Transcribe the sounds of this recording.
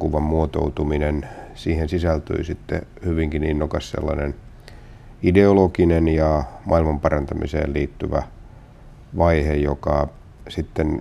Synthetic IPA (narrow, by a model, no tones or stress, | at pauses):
kuʋɑmmuot̪o̰ut̪uminensiːhensisælt̪y̰isit̪ːḛhyʋiŋkininːokɑssḛlːɑnen | ideolokinenjɑmʔɑilmɑmpɑrɑnt̪ɑmḭsḛːlliːt̪ːyʋæ | ʋɑihejokɑ | sit̪ːen